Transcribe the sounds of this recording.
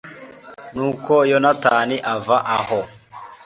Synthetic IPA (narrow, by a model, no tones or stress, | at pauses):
nuːkojonataːniʔavaʔaho